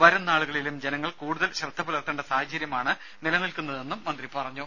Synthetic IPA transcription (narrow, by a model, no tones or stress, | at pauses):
ʋɐɾɐnːaːɭuɣɐɭilumd͡ʑenɐŋːɐɭkuːɽuðɐlɕrɐt̪ʰːɐbɐlɐrt̪ːɐɳɖesaːɦɐt͡ɕːɐɾjɐmaːɳɨ | nilɐnilkunːɐðe̞nːumːɐnd̪ripɐrɐɲːu